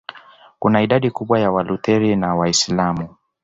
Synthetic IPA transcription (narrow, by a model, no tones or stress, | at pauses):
kunaiɗaɗikuɓwajawalutɛɾinawaislamu